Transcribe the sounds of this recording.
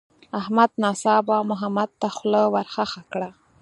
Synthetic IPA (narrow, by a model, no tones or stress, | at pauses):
ahmad̪nɑsɑbamʊɦamad̪̚t̪axləwaɾxaxakɽa